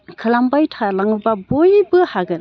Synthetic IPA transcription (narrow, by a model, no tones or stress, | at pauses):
kʰɯlambajtʰalaŋubabojbɯhaɡɯ